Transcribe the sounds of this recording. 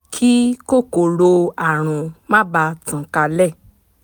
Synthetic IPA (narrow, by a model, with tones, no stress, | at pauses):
kʰi˦ko˦˨ko˨ɾo˧a˦˨ɾ̃ũ˨mã˦ba˧˦tũ˨ka˧lɛ˦˨